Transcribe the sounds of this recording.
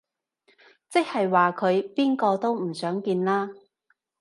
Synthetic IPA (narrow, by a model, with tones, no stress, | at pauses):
t͡sɪ˥k̚hɐ˨jwaː˨˩kʰɵ˨˧ɥpiː˥nkɔː˧t̪o˥wm̩˨˩sœː˨˥ŋkiː˧nlaː˥